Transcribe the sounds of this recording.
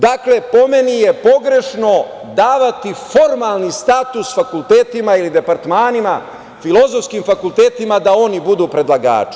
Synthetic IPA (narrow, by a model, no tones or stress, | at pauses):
d̪akle̞po̞me̞nije̞po̞ɡɾe̞ʃno̞ | d̪aːʋat̪ifo̞ɾmalˠnist̪at̪usfakulˠt̪eːt̪imailid̪e̞paɾt̪maːnima | filˠo̞zofskiːmfakult̪eːt̪imad̪ao̞nibud̪uːpɾe̞d̪laɡa̰ːt͡ʃi̥